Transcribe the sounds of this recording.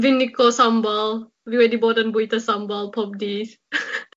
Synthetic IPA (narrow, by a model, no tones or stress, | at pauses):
vinikosãmbɔl | viwɛdibɔdə̃nbuitəsãmbɔlpʰɔp̚dis